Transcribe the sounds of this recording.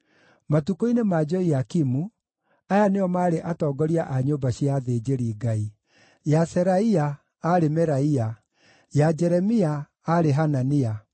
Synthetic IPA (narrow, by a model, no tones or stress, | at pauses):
matukoinemad͡ʒɔiakimu | ajaneɔmaːɾeʔatɔːɡɔɾiaʔaɲoːmbaɕiaðed͡ʑeɾiːɡai | jasɛɾaia | aɾemɛɾaia | jad͡ʒɛɾɛmiaː | ɾeɦanania